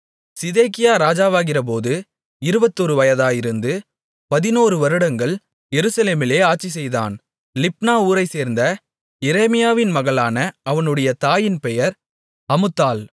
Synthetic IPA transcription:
sɪðeːkɪjaːɾaːd͡ʒaːʋaːɣɪrɐp̬oːðɯ | ɪɾɯbɐt̪ːɔɾɯʋɐjɐðaːjɪɾɯnd̪ɯ | pɐðɪnoːɾɯʋɐɾɯɽɐŋɡɐɭ | jɛɾɯsɐleːmɪleːaːʈt͡ʃːisɛjða̰ːn | lɪp̚naːuːɾɐɪseːɾnd̪ɐ | jɛɾeːmɪjaːʋɪnmɐɣɐɭaːnɐʔɐʋɐnɯɽɐjɐt̪aːjɪnpɛjɐɾ | ɐmɯt̪ːaːl

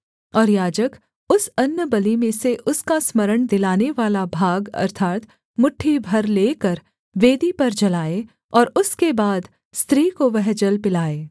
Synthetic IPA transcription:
ɔːɾjaːd͡ʒək | ʊsɐnjəbɐlimẽseʔʊskasməɾəɽ̃d̪ɪlaːneʋaːlabʱaːɡɐ̰ɾt̪ʰaːt̪ | mʊʈʰːibʱɐɾleːkəɾ | ʋeːd̪ipɐɾd͡ʒɐlaːe | ɔːɾʊskebaːd̪ | st̪ɾiːkoʋɛɦd͡ʒəlpɪlaːeː

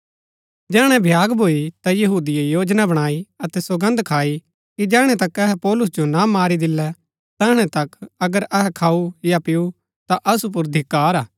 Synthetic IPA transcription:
d͡ʒɛːɽ̃ɛ̃bʱjaːɡbʱoːit̪ajɐɦuːd̪ijejoːd͡ʒnabɐɽ̃aːiɐt̪ɛsɐɡə̃nd̪kʰaːi | kid͡ʒɛːɽ̃ɛt̪ɐkɛɦɛpɔːlʊs̬d͡ʒonamaːɾid̪ɪlːɛ | t̪ɛːɽ̃ɛt̪ɐkɐɡəɾɛɦɛkʰaːujapɪu | t̪aʔɐsup̬ʊɾd̪ʱɪkːaːɾaː

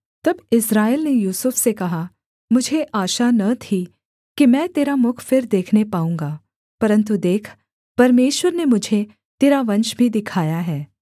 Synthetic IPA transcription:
t̪ɐbɪsɾaːelnejuːsʊfsekɐɦa | mʊd͡ʒʱeʔaːʃanɐt̪ʰi | kimɛ̃ːt̪eːɾamʊkʰfɪɾd̪eːkʰnepaːũːŋɡaː | pɐɾə̃nt̪̬ud̪eːkʰ | pɐɾmeːʃwəɾnemʊd͡ʒʱe | t̪eːɾaʋɐ̃nʃbʱid̪ɪkʰaːjaɦɛː

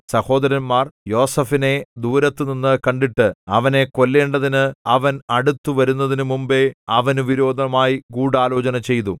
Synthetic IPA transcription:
sɐho̞ːd̪ɐɾɐnmaːrjo̞ːsɐfine̞d̪uːɾɐt̪ːɨninːɨkɐɳɖiʈːɨɐ̰ʋɐne̞ko̞lːe̞ːɳɖɐðinɨɐʋɐnɐɽut̪ːuʋɐɾunːɐðinɨmumbeɐʋɐnuʋiɾo̞ːd̪ʱɐɐmaːjiɡuːɽaːlo̞ːt͡ɕɐnɐt͡ɕe̞jt̪u

